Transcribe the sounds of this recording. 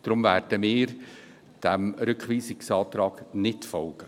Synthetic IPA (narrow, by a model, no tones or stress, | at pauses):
d̥ɾʊmværd̥əmɪːɾ | d̥æmɾʏkχʋiːsɪksɑːtrɑːɡ̥nɪtfɔlɡ̥ə